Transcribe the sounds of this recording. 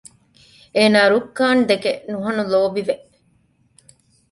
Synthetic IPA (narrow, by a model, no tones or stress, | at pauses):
eːnaːɾukːaːnd̪ekenuɦɐnuloːbiʋeʔ